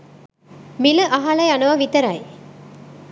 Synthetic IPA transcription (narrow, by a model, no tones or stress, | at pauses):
milɐʔɐɦalɐjɐnɐʋɐʋit̪ɐɾaj